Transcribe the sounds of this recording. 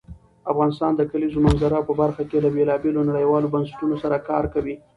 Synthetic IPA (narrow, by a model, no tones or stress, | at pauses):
afɣɑnɪst̪ɑnd̪əkalizomanzaɾapəbaɾxakelabelɑbelonaɽəjwɑlobansɪ̥ʈunosaɾakɑɾkawi